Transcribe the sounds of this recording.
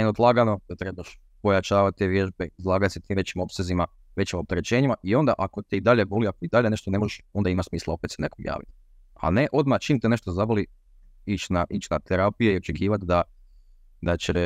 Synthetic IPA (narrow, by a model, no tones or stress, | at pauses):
nenod̪lˠaːɡano̞d̪at̪ɾe̞baʃ | po̞jat͡ʃaːʋat̪̚t̪ːeʋje̞ʒbeizlˠaːɡat̪set̪iːmʋet͡ɕimo̞psezima | ʋe̞t͡ɕimo̞p̚t̪eɾet͡ɕe̞ːɲimaʔio̞nd̪aʔako̞t̪eid̪aʎeɡoliakoid̪aʎe̞ne̞ʃt̪one̞moʒeʃo̞nd̪aimasmiːslˠao̞pet̪senekoɡja̰ːʋḭt̪ | a̰ne̞ʔo̞d̪mat͡ʃiːmt̪ene̞ʃt̪ozaboli | it͡ʃnaʔiːt͡ɕnat̪eɾapijeio̞t͡ʃekiːʋat̪d̪a | d̪at͡ɕe